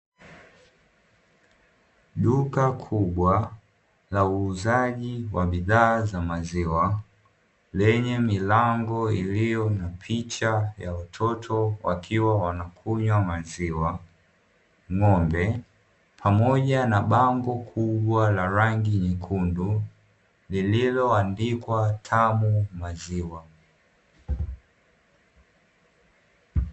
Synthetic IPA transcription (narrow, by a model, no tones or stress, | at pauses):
ɗukakʰuɓwa | lauːzaʄiwaɓiðaːzamaziwa | lɛɲɛmilaŋɡɔilijɔnapʰit͡ʃajawatʰɔtʰɔwa̰kʰiwawanakʰuɲwamaziwa | ŋɔmbɛ | pʰamɔʄanaɓaŋɡɔkʰuɓwalaɾaŋɡiɲikʰundu | lililɔandikwatʰamumaziwa